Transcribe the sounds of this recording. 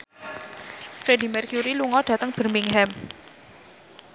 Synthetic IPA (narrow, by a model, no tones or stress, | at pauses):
fɾedi̤mɛrkjuɾiluŋɔɖ̥ä̤t̪əŋb̥ə̤rmiŋɦɛm